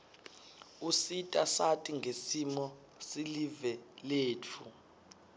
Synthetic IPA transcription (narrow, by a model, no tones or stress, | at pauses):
usitʼasatʼiŋɡʱesimɔ | silivɛleːt͡fʰu